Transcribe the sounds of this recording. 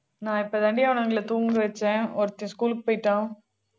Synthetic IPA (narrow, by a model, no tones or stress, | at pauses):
nãːɪpːod̪ɐɳɖɪjaʋɐnɐŋɡɪlɐt̪uːŋɡɯʋɛt͡ʃːɛ̃ːɔɾɯt̪ːɪ̃skuːlɯkːɯpoːjɪʈːãː